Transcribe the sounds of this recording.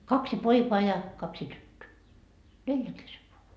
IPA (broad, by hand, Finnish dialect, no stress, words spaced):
kɑksi poikoɑ jɑ kɑksi tytːøː neljæŋ keseʋ ʋoɑ